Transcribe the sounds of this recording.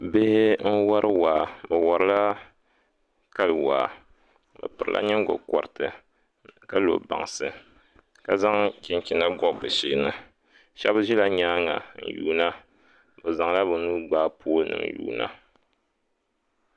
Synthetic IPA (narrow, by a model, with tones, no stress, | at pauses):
be˦hn̩˦wa˦ɾʔɨ˦waː˨bɨ˨wa˨ɾɨ˦la˦ | ka˦lwa̰ː˨ | bɨ̰˨pɨ˨ɾɨ˨lʔa̰˦ɲɛ˦ŋ˦ɡʊ̰˨kɔ˨ɾɨ˨tɨ˨ | ka˦lo̰˨ba̰˨ŋsɨ˨ | ka˨za˦ŋkɪ˨nkʲi˨na˦ɡɔ˦˨bɨ˨ʃiː˦nɨ˦ | ʃɛ˦bʒi˦la˦ɲaː˦ŋa˨n̩̰˨juː˦na˦ | bɨ˨za˨ŋla˦bɨ˨nuː˦ɡ͡baː˦po˦nɨ̰˨ŋjṵː˦na̰˦